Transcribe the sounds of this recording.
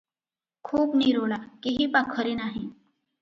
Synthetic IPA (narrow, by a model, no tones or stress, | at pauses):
kʰuːpniɾoɭakiɦiːpakʰəɾiːnaɦi